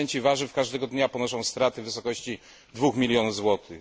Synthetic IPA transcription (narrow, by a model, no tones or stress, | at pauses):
ɛɲt͡ɕivaʐɘfkaʐd̪ɛɡɔd̪ɲapɔnɔʂɔ̃w̃st̪ɾat̪ɘvɘsɔkɔɕt͡ɕi | d̪vuxmʲilʲjɔnuvzwɔt̪ʰɘ